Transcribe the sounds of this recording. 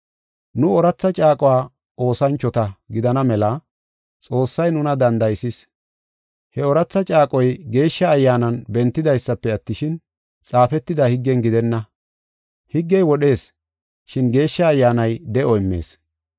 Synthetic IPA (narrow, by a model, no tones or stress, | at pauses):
nʊɔɾɐt͡sːɐt͡ʃʼaːkʼɔwaː | ʔo̞ːsɐnt͡ʃːɔt̪ɐɡɪd̪ɐnɐmɛlɐ | t͡sʼo̞ːsːɐjnʊnɐd̪ɐnd̪ɐjsɪs | hɛɔɾɐt͡sːɐt͡ʃʼaːkʼɔjɡe̞ːʃːɐːjːaːnɐnbɛnt̪ːɪd̪ɐjsːɐpːɛɐt̪ːɪʃɪn | t͡sʼaːfɛt̪ːɪd̪ahɪɡːɛnɡɪd̪ɛnːɐ | hɪɡːɛjwɔɗe̞ːs | ʃɪnɡe̞ːʃːɐːjːaːnɐjd̪ɛʔɔɪmːe̞̰ːs